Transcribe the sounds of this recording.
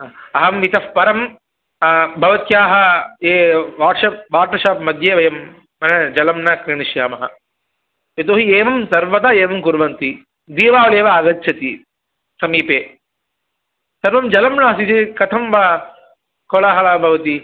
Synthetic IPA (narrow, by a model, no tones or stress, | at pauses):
ɐɦɐmːit̪ɐfpɐɾɐm | bʱɐʋɐt̪jaːɦɐeːʋaːʈʂɐp̚ʋaːɾʈɐʃaːpmɐd̪ʱjeːʋɐjɐmː | ɐnɐd͡ʒɐlɐmnɐkɾiɳiʃjaːmɐɦɐ̰ | et̪̬oːɦieːʋɐmsɐɾʋɐt̪aːeːʋɐmkuɾʋɐnt̪i | d̪iːʋaːʋɐɭeːʋɐːɡɐt̪ːt͡ʃʰɐt̪i | sɐmiːpeː | sɐɾʋɐmd͡ʒɐlɐmnaːɐsit̪ikɐt̪ʰɐmʋɐ | kolaːɦɐɭaːbʱɐʋɐt̪i